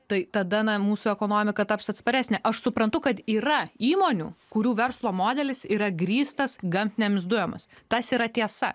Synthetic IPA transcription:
t̪ɐɪt̪ɐd̪ɐnɐmuːsʊɛkoːnoːmʲɪkɐt̪ɐpsɐt̪spɐɾʲæːsʲnʲɛʔɐʃsʊpɾɐnt̪ʊkɐt̪iːɾɐiːmoːnʲṵːkʊɾʲuːʋʲɛrslˠoːmoːd̪ʲɛlʲɪsiːɾɐɡɾʲiːst̪ɐsɡɐmʲt̪ʲnʲɛmʲɪzd̪ʊjɛmɐst̪ɐsiːɾɐt̪ʲiɛsɐ̰

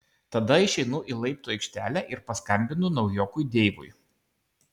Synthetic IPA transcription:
t̪ɐd̪ɐɪʃʲɛɪnʊʔiːˑlˠɐɪpt̪ʊːɛɪkʃʲt̪ʲæːlʲæʔɪɾpɐskɐmʲbʲɪnʊnɒʊjoːkʊjd̪ʲeːʋʊ̰j

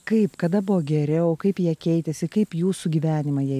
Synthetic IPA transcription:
kɐɪpkɐd̪ɐbʊʋoːɡʲɛɾʲɪoːkɐɪpjiɛkʲɛɪt̪ʲɛsʲɪkɐɪpjuːsʊɡʲiːʋʲæːnʲɪmɐjɛ

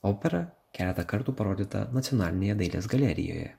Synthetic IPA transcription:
oːpʲɛɾɐ | kʲæːlʲɛt̪ɐkɐɾt̪uːpɐɾoːd̪ʲiːt̪ɐ̰nɐt̪sʲɪjɔnɑːlʲɪnʲeːjɛd̪ɐɪlʲḛːsɡɐlʲæɾʲɪ̰jo̰ːjɛ̰

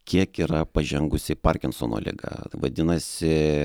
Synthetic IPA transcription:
kʲiɛkiːɾɐpɐʒʲɛŋɡʊsʲɪpɐrʲkʲɪnsoːno̰ːlʲɪ̰ɡɐ̰ʋɐ̰d̪ʲɪnɐsʲɪ

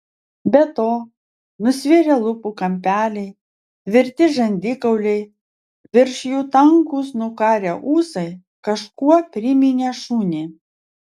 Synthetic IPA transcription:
bʲɛt̪oː | nʊsʲʋʲɪɾʲɛlˠʊpukɐmʲpʲæːlʲɛɪ | ʋʲɪɾʲt̪ʲɪʒɐnʲd̪ʲɪkɐʊlʲɛɪ | ʋʲɪɾʲʃʲjuːt̪ɐŋkuːsnʊkɑːɾʲɛʔuːsɐɪ | kɐʃkuɔpʲɾʲɪmʲɪnʲeːʃuːnʲiː

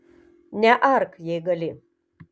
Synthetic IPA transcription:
nʲæʔarkʰjeɡɐli

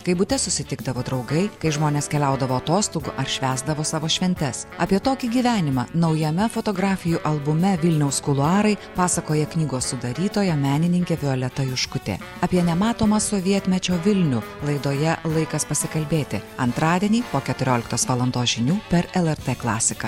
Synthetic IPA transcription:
kɐɪbʊt̪ʲɛsʊsʲɪt̪ʲɪɡ̚d̪ɐʋoːd̪ɾɒʊɡɐɪkɐɪʒmoːnʲeːskʲɛlʲɛʊd̪ɐʋoːɐt̪oːst̪ʊɡʊʔɐɾʃʲʋʲæːzd̪ɐʋoːsɑːʋoːʃʲʋʲɛnʲt̪ʲɛsɑpʲiɛt̪oːkʲiːɡʲiːʋʲæːnʲɪmɑ̰ːnɒʊjɛmʲɛfot̪oːɡɾɑːfʲɪjuʔɐlˠbʊmʲɛʋʲɪlʲnʲɛʊskʊlˠʊɑːɾɐɪpɑːsɐkoːjɛknʲiːɡoːssʊd̪ɐɾʲiːt̪oːjɛmʲæːnʲɪnʲɪŋʲkʲeːʋʲɪɔlʲɛt̪ɐjʊʃkʊt̪ʲḛː | ɐpʲiɛnʲɛmɑːt̪oːmɐsoːʋʲiɛt̪ʲmʲɛt͡ʃʲoːʋʲɪlʲnʲʊlˠɐɪd̪oːjɛlˠɐɪkɐspɐsʲɪkɐlʲbʲeːt̪ʲɪɐnt̪ɾɑːd̪ʲiɛnʲiːpoːkʲɛt̪ʊɾʲoːlʲɪkt̪oːsʋɑːlˠɐnd̪oːsʒʲɪnʲuːpʲɛɾɛlˠɛɾt̪eːklˠɑːsʲɪkɐː

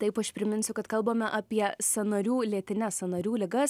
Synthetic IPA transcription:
t̪ɐɪpɐʃpʲɾʲɪmʲɪnʲsʲʊkɐt̪kɐlˠboːmʲɛʔɑpʲiɛsɐnɐɾʲuːlʲiɛt̪ʲɪnʲɛsɐnɐɾʲuːlʲɪɡɐs

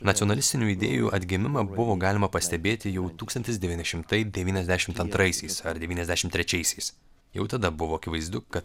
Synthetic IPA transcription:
nɐt̪ʲioɔnɐlʲɪst̪ʲɪnʲuːid̪ʲḛːjṵʔɐd̪ʲɡʲɪmʲɪmɐbʊʋoːɡɑːlʲɪmɐpɐsʲt̪ʲɛbʲeːt̪ʲɪjɛʊt̪uːkst̪ɐnʲt̪ʲɪsd̪ʲɛʋʲiːnʲɪʃʲɪmt̪ɐɪd̪ʲɛʋʲiːnʲɛzd̪ʲæʃʲɪmt̪ɐnt̪ɾɐɪsʲɛɪsɐɾd̪ʲɛʋʲiːnɛzʲd̪ʲæːʃʲɪmt̪ʲɾʲɛt͡ʃʲɛɪsʲɛɪs | jɛʊt̪ɐd̪ɐbʊʋoːɐkʲɪʋɐɪzd̪ʊkɐt̪

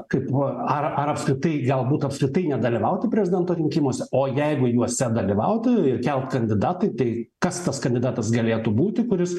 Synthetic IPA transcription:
kɐɪpɐrɐɾɐpskɾʲɪt̪ɐɪɡɐlˠbuːt̪ɐpskɾʲɪt̪ɐɪnʲɛd̪ɐlʲiʋɐʊt̪ʲɪpʲɾʲɛzʲɪd̪ʲɛnt̪oːɾʲɪŋʲkʲɪmoːsʲɛoːjɛɪɡʊjuɔsʲɛd̪ɐlʲiʋɐʊt̪ʲɪɪrkʲɛlˠt̪kɐnʲd̪ʲɪd̪ɑːt̪ɐɪt̪ɐɪkɐst̪ɐskɐnʲd̪ʲɪd̪ɑːt̪ɐsɡɐlʲeːt̪ubuːt̪ʲɪkʊɾʲɪs

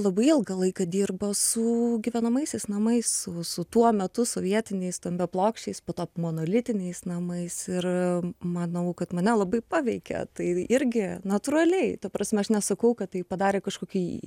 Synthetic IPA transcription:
lˠɐbɐɪɪlˠɡɐlˠɐɪkɐd̪ʲiːrbosʊɡʲiʋʲɛnɐmɐɪsʲɛɪsnɐmɐɪssʊsʊt̪uɔmʲɛt̪ʊsoːʋʲiɛt̪ʲɪnʲɛɪst̪omʲbʲɛplˠoːkʃʲt͡ʃʲɛɪspoːt̪oːpmoːnoːlʲɪt̪ʲɪnʲɛɪsnɐmɐɪsɪrmɐnɐʊkɐt̪mɐnʲɛlˠɐbɐɪpɑːʋʲɛɪkʲɛ̰t̪ɐɪɪɾʲɡʲɪnɐt̪uɾɐlʲɛɪt̪ɐpɾɑːsʲmʲɛɐʃnʲɛsɐkɐʊkɐt̪tɐɪpɐd̪ɑːɾʲeːkɐʃkoːkʲiː

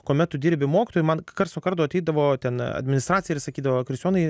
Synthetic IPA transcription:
koːmʲɛt̪̚tʊd̪ʲiːɾʲbʲɪmoːkʲɪt̪oːjʊmɐnkɐɾt̪snokɐrt̪oːɐt̪ʲɛɪd̪ɐʋoːt̪ʲɛnɐ̰d̪ʲmʲɪnʲɪst̪ɾɑːsʲjɪɾsɐkʲiːd̪ɐʋoːkɾʲɪsʲoːnɐɪ

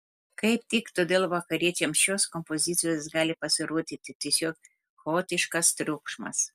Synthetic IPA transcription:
kɐɪp̚t̪ʲɪkt̪od̪ʲeːlˠʋɐkɐɾʲiɛt͡ʃʲɛmʃʲoːskɔmpozʲiːt̪sʲɪjosɡɑːlʲɪpɐsʲɪɾuɔt̪ʲit̪ʲɪt̪ʲisʲoːk | xoːt̪ʲɪʃkɐst̪ɾʲukʃmɐ̰s

